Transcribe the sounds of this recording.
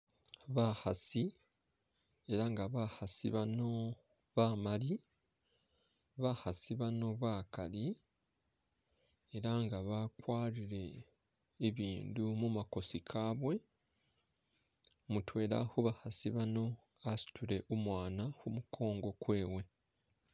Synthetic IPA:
βahasi | e̞ɾaŋɡaβahasiβano̞ | βaːmali | βahasiβano̞βakali | eɾaŋɡaβakwaːɾiɾe̞ː | βiːndumumako̞sikʰaːβwe̞ | mutwe̞ːɾa̰huβahasiβano̞ | asi̥tuɾe̞ʔumwaːnahumukʰo̞ːŋɡo̞kwe̞ːwe̞

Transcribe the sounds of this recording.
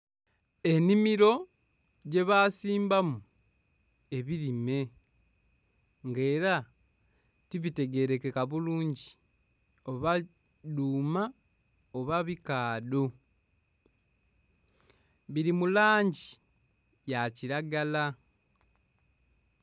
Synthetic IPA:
e̞nimiɾo̞ | ɟe̞βaːsiːmbamu | e̞βiɾime̞ | ŋɡe̞ːɾa | tiβite̞ɡe̞ɾe̞kekaβuluːɲɟi | o̞βa | duːma | oβaβikaːdo̞ | βiɾimulaːɲɟi | jaciɾaɡala

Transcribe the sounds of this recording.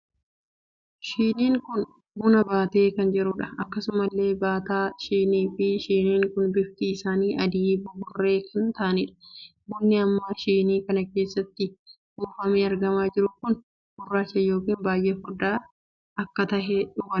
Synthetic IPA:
ʃiːniːŋkʊn | bʊnɐbaːt̪e̞ːkɐnd͡ʒɛɾʊᶑɐɐkːɐsʊmɐlːe̞ːbaːt̪aːʃiːniːfɪʃiːniːŋkʊnbɪft̪iɪsaːniːʔɐd̪iːbʊbʊrːe̞ːkʰɐnt̪ɐɐnɪᶑɐ̥bɔnːɪɐmːaːʃiːniːkɐnɐke̞ːsːɐt̪ːɪ | huːfɐmeːɐɾɡɐmaːd͡ʒɪɾʊkʊn | bʊrːaːt͡ʃːɐjo̞ːkiːnbaːjʔeːfʊd̪aː | ɐkːɐt̪ɐhɛᶑʊɡɐ

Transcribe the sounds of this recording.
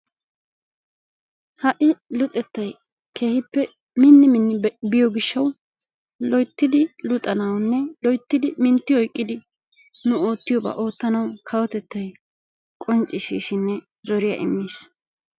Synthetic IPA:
hɐʔɪlʊt̪ʼɛt̪ːɐj | kʰe̞ːhɪpːɛ | mɪnːɪmɪnːɪbɪjɔɡɪʃːɐw | lɔjt̪ːɪd̪ɪlʊt̪ʼːɐnɐwnːɛlɔjt̪ːɪd̪ɪmɪnt̪ːɪɔjkʼːɪd̪ɪ | nʊo̞ːt̪ːɪjɔbɐ̰ʔo̞ːt̪ːɐnɐwkʰɐwɔt̪ɛt̪ːɐj | kʼɔnt͡ʃʼːɪʃḭːʃɪnːɛ | zɔɾɪjɐ̰ʔɪ̰mːiːs

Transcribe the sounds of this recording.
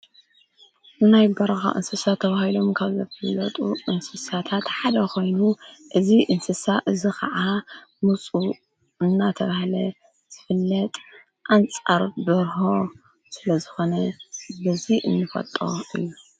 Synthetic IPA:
nɨnajbɐɾɐxa̰ʔɨ̰nsɨsat̪ʰːɐβahilo̞mkʰaβzɐfɨlːɐt̪ʼuʔɨnsɨsat̪ʰat̪ħad̪ɐkʰo̞jnuʔɨziʔɨnsɨsaʔɨzikʰɐ̰ʕamut͡sʼu | ɨnːat̪ʰɐβahlɐ | z̥ɨfɨlːɐt̪ʼ | ʔant͡sʼaɾbɨɾɦo̞ | sɨlɐzɨxo̞nɐbɐziʔɨnːɨfɐ̰t̪ʼo̰ɨ̰jːu

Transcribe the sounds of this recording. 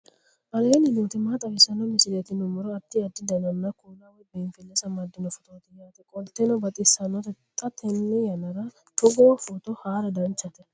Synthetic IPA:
ʔɐleːnɪnuːt̪ɪmaːt̪ʼɐwɛsɐnɔmɪsɪlɐt̪ɪnʊmɔɾɔɐt̪ːɪɐd̪ːɪd̪ɐnɐnːɐkuːlɐwɔbeːnfɪlːɛsɐmɐd̪ːɪnɔfɔt̪ʼoːt̪ɪjaːt̪ɛkʼɔlt̪ːɛnɔbɐt̪ʼɪsɐnɔt̪ɛt̪ʼːɐt̪ʰɛnːɛjɐnɐɾɐ | t̪ʊɡoːfɔt̪ɔhaːɾɐd̪ɐnt͡ʃːɐt̪ɛ

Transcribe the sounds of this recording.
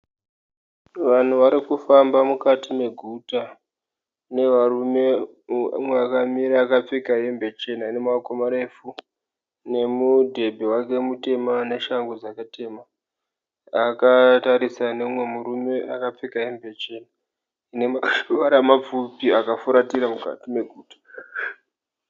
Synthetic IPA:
ʋan̤uʋaɾikufambamukatime̞ɡʱuta | ne̞ʋarume̞ | mweakamiɾaːkap͡fikaɦembet͡ʃe̞naine̞makomaɾe̞fu | ne̞mudʱe̞bʱewake̞mute̞mane̞ʃaŋɡod͡zakate̞ːma | akataɾisanemwe̞muɾume̞akap͡fikaɦe̞mbet͡ʃe̞na | ineaʋaɾamap͡fupiakafuɾatiɾamuka̰time̞ɡʱuːtḁ

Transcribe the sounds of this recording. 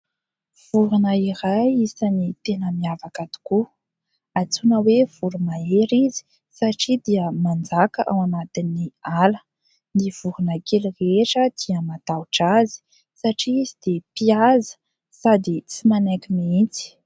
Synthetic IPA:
v̥uɾunəiɾajisanit̪enəmiavakat̪u̥ku | at͡sunəwev̥uɾumaeɾizi̥ | saʈ͡ʂid̪iəmand͡zakəʔa̰wamat̪inialə | niv̥uɾunəkelireʈ͡ʂəd̪̥iəmat̪awuʈ͡ʂazi̥ | saʈ͡ʂiːzid̪̥epiazə̥ | sad̪it͡simanakimiint͡si̥

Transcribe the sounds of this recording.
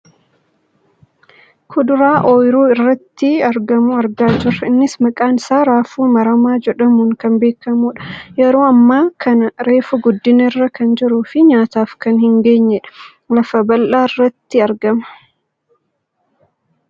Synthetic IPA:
kʰʊd̪ʊɾaːʔoːjɾuːɪrːɐt̪ːɪɐɾɡɐmʊɐɾɡaːd͡ʒɪɾɐɪnːɪsmɐkʼaːnɪsaːɾaːfuːmɐɾɐmaːd͡ʒɛᶑɐmuːŋkɐnbeːkːɐmuːᶑɐ̥jɛɾoːɐmːaːkʰɐnɐɾe̞ːfʊɡɔd̪ːɪnɐɪrːɐkɐnd͡ʒɪɾuːfɪɲaːt̪aːfkɐnhɪŋɡe̞ːɲːɛᶑɐ̥ | lɐfɐbɐlʔaːɪrːɐt̪ːɪɐɾɡɐmɐ̥

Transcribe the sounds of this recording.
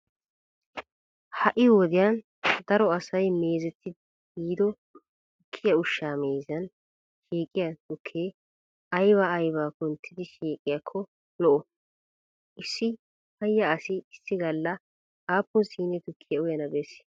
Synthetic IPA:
hɐʔɪwɔd̪ɪjan | d̪ɐɾɔɐsɐjmeːzɛt̪ʰːɪ | ɡiːd̪ɔ | t̪ʊkʰːɪjɐʊʃːaːmeːzɐn | ʃiːkʼːɪjɐt̪ʊkʰːeː | ɐjbaːjbaːkʊnt̪ʰːɪd̪ɪʃiːkʼɪjɐkʰːɔ | lɔʔɔ | ʔɪsːɪ | hɐjːɐːsɪɪsːɪɡɐlːɐ | aːpːʊnsiːnɛt̪ʊkʰːɪjɐʊjɐnɐbeːs

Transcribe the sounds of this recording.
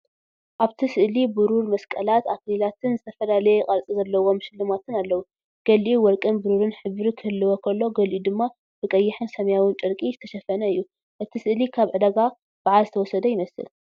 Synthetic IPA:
ʔaβt̪ʰisɨʔlibɨɾuɾmɐskʼɐlat̪akʰlilat̪ʰɨnzɨt̪ʰɐfɐlalɐjekʼɐɾt͡sʼizɐlːɐwo̞mʃɪlːɨmat̪ʰɨnalːɐwu | ɡ̥ɐlʔuwɔɾkʼɨnbɨɾuɾɨnħɨβɾikʰɨhɨlːɨwokʰɐlːo̞ɡɐlʔud̪ɨmːa | bɨkʼɐjːɪħɨnsɐmɐjawɨnt͡ʃʼɨɾkʼizɨt̪ʰɐʃɐfɐnɐɨjːu | ʔɨt̪ʰisɨʔlikʰaβʕɨd̪ɐɡa | b̥aʕalzɨt̪ʰɐwɔsɐd̪ɐjɪmɐsɨ̰l

